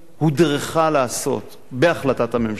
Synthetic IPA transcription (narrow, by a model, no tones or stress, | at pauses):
hudʁeχalaːso̞̰t̪ | beaχlatathamem